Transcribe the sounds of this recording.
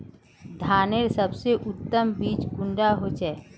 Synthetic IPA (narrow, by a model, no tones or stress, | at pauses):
d̪ʱaːneɾsəbseʔʊt̪ːəmbiːt͡ʃɡʊ̃ɳɖaɦot͡ʃɛː